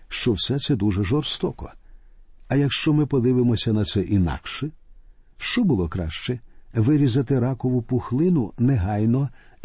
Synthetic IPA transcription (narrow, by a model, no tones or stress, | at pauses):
ʃt͡ʃɔwsɛt̪sɛd̪uʐɛʒɔrst̪ɔkɔ̰ | ɐjɐkʃt͡ʃɔmɪpɔd̪ɪʋɪmɔsʲɐnɐt̪sɛʔinɑ̰kʃɛ | ʃt͡ʃɔbʊlˠɔkɾɑ̰ʃt͡ʃɛʋɪɾʲizɐt̪ɪɾɑkɔʋʊpʊxlˠɪnʊnɛɦɑjnɔ